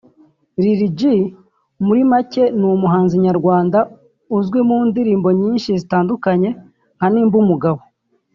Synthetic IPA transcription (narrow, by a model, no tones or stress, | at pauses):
ɾiɾiɟi | muɾimace̞numuɦaːnziɲaɾɡwaːnda | uzɡwemuːndiɾiːmbo̞ɲiːnʃizitaːndukaɲe̞ | ŋ̥haniːmbumuɡaβo̞